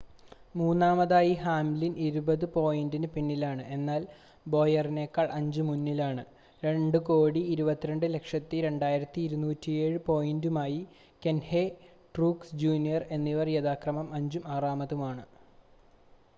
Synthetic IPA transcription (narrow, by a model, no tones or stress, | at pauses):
muːnːaːmɐðaːjihaːmlinʔiɾubɐðɨpo̞ːjindinɨpinːilaːɳɨʔe̞nːaːl | bo̞ːjɐrine̞ːkːaːɭʔɐɲd͡ʑumunːilaːɳɨ | ɾe̞ɳɖuko̞ːɽiːɾubɐt̪ːiɾeɳɖɨle̞kʂɐt̪ːiɾe̞ɳɖaːjiɾɐt̪ːiːɾunuːtːijeːɻɨpo̞ːjindumaːji | kenhe | ʈruːksd͡ʑuːnijɐre̞nːiʋɐrjeðaːkrɐmɐmɐɲd͡ʑumaːraːmɐðumaːɳɨ